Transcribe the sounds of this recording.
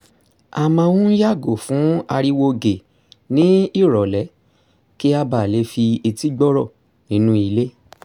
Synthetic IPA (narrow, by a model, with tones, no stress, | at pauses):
a˨mã˧wũ˦ja˦˨ɡo˨fũ˨˦a˧ɾi˧wo˧ɡe˨ | nĩ˦i˦˨ɾɔ˨lɛ˨˦ | ki˦a˧ba˨le˨˦fi˧i˧ti˦ɡ͡bɔ˦ɾɔ˦˨ | nĩ˨˦nũ˦i˧le˦